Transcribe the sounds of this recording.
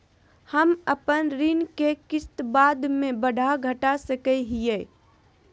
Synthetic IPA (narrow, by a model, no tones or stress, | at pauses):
həməpənɾinkekɪst̪baːd̪mẽbəɖʱaɡʱəʈasəkɛɦije